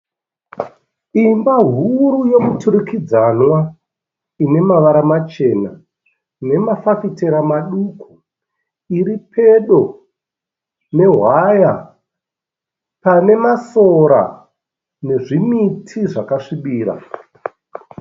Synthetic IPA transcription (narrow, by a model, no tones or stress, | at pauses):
imbaɦuɾujo̞mutʰuɾukid͡zanwa | ine̞maʋaɾamat͡ʃe̞na | ne̞mafafite̞ɾamaɗukʰu̥ | iɾipʰe̞ɗo̞ | ne̞ɦwaja | pane̞masoɾa̰ | ne̞ʐimitʰiʐakaʂiɓiːɾa̰